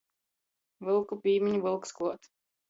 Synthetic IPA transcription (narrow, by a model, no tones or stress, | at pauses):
vɨlˠkupʲiːmʲiɲuvɨlˠkskuɔt̪